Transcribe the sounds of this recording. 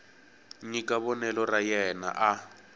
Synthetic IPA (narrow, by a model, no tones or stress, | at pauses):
ɲikʼaβɔnɛlɔrajɛna̰ʔa